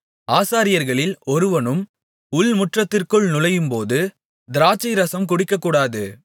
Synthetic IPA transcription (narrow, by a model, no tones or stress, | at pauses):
aːsaːɾɪjɐɾɣɐɭɪlɔɾɯʋɐnɯm | ʊlmʊʈrɐt̪ːɪrkɯɭnʊlɐjɯmpoːðɯ | d̪ɪɾaːt͡ʃːɐɪɾɐsɐmkʊɽɪkːɐkːuːɽaːðɯ